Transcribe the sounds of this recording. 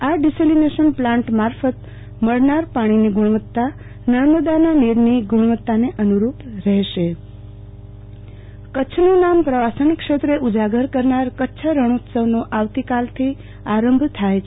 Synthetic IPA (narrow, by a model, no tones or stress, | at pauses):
aɖiselineʃənplãɳʈmaɾfət̪ | məɭnaɾpaɽ̃iniɡʱuɭʋət̪ːa | nəɾməd̪ananiɾniɡʱuɭʋət̪ːaneʔənuɾupɾɛɦʃe | kətːt͡ʃʰənunampɾəʋasənkʃet̪ɾeʔud͡ʒaɡəɾkəɾnaɾkətːʃʰəɾəɳ̃ut̪səʋnoʔaʋt̪ikalt̪ʰi | aɾəmbʱt̪ʰajt͡ʃʰe